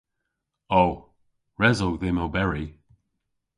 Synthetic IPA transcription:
o | ɹɛzowðɪmowbɛɹi

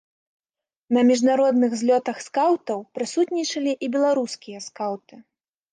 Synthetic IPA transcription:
nɐmʲiʐnaɾɔd̪nɨɣzʲlʲɔt̪ɐxskawt̪ɐwpɾɨsut̪nʲit͡ʂɐlʲiʔibʲɛlˠaɾuskʲijɐskawt̪ɨ

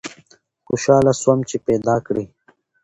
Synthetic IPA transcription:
xuɕaːlaswɐmt͡ɕipeːd̪aːkɽi

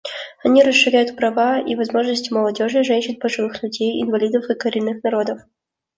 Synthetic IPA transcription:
ɐnʲiɾəsːɨɾʲæjʊt̪pɾɐvaḭvɐzmo̞ʐnəsʲtʲɪməlˠɐdʲo̞ʐɨʐɛnʲɕɪnbəʐɨvɨxlʲʉdʲejɪ̰nvɐlʲid̪əfɨkəɾʲɪnːɨxnɐɾo̞d̪əf

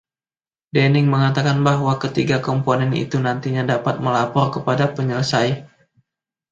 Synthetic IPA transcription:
dɛnɪŋməŋat̪akanbaɦwakət̪iɡakɔmponɛnḭt̪unant̪iɲadapat̪̚məlapɔrkəpadapəɲələsaj

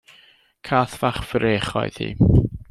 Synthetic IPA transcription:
kʰaːθv̥aχfɾeːχɔ̰jð̥hḭː

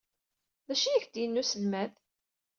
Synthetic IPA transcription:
ðæʃijæçd̪jənːusəlmæð

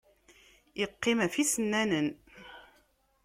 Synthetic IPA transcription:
iqːɪmæfisənːænən

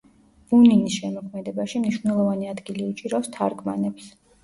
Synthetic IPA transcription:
b̥uninisʃɛmɔkʰmɛd̪ɛbaʃimniʃwvnɛlˠɔvaniad̪ɡiliut͡ʃʼiɾast̪ʰaɾɡma̰nɛps

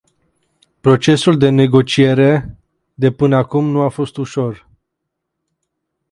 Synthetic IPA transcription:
pɾo̞t͡ʃe̞suld̪e̞ne̞ɡo̞t͡ʃie̞ɾe̞ | d̪e̞pɨnəakumnuafo̞st̪uʃo̞r

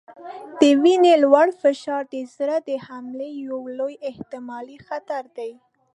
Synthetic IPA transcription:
d̪̥əwinelwaɽfɪʃɑɾd̪əzɾad̪əhamlejawlojɪht̪ɪmɑlixat̪aɾd̪aj

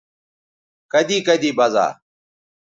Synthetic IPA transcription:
kəd̪iːkəd̪iːbaza̰ː

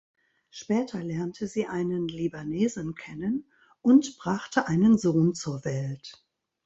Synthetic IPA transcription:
ʃpɛːtʰɐlɛɐntʰəziːʔaɪnənlibaneːzn̩kʰɛnən | ʔʊntb̥ʁaχtʰəʔaɪnənzoːnt͡suːɐvɛlt

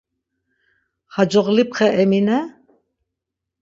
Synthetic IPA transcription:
had͡ʒɔʁlip̚χɛʔɛminɛ

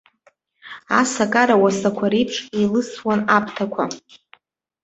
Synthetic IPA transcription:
asakʼaɾawasakʷʰaɾipʰʂelɨswanapʰʼtʰakʷʰa

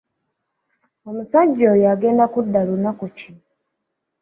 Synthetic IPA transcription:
omusaɟːojaɡe̞ːndakudːalunakuci

